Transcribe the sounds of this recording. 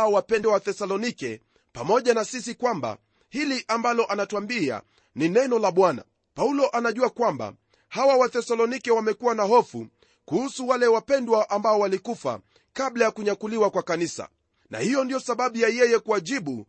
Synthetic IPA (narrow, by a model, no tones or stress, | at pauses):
ɔwapɛndwawaθɛsalɔnikɛ | pamɔʄanasisikwamba̰ | hiliʔambalɔʔanatwambia̰ | ninɛnɔlaɓwana̰ | paulɔʔanaʄuakwamba̰ | hawawaθɛsalɔnikɛwamɛkuwanaɦɔfu | kuhusuwalɛwapɛndwaʔambaɔwalikufa̰ | kaɓlajakuɲakuliwakwakanisa̰ | na̰hijɔndijɔsaɓaɓujajɛjɛkuaʄiɓu